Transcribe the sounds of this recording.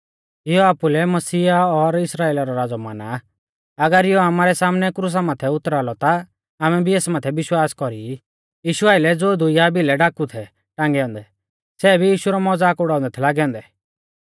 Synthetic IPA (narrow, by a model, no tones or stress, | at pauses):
ɪjɔaːpulɛmɐsiːaɔɾɪsɾaːeːlaɾɔɾaːd͡zɔma̰ːna | ɐɡəɾɪjɔamaːɾɛsaːmnɛkɾus̬amaːt̪ʰɛʊt̪ɾaːlɔt̪a | aːmɛbʱieːsmaːt̪ʰɛʋɪʃwaːskɔɾi | jiːʃuaːɪlɛd͡zoːd̪ʊjabilɛɖakut̪ʰɛ | ʈãːŋɡɛɔ̃ːnd̪ɛ | sɛːbʱijiːʃuɾɔmɔd͡zaːkʊɽaːɔ̃nd̪ɛt̪ʰɛlaːɡɛɔ̃ːnd̪ɛ